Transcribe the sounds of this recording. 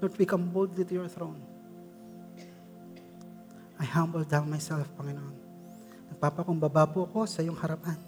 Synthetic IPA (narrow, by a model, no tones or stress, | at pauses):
bɐt̪wikɐmbold̪lit̪ʊjɔɹθɾown | ʔajhãmbɛld̪awnmajsɛlfpɐŋɪnoʔon | nɐɡ̚paːpɐkombabaːboɐko̞sɐjoŋhɐɾapan